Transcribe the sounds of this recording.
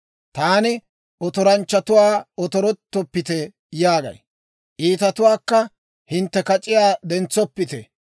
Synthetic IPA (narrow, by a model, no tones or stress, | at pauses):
t̪aːnɪ | ʔɔt̪ɔɾɐnt͡ʃːɐt̪ʊwaːɔt̪ɔɾɔt̪ːɔpːɪt̪ɛ | jaːɡɐ̰j | ʔiːt̪ɐt̪ʊwaːkːɐ | hɪnt̪ːɛkɐt͡ʃʼɪjaːd̪ɛnt͡sːɔpːɪt̪ɛ̰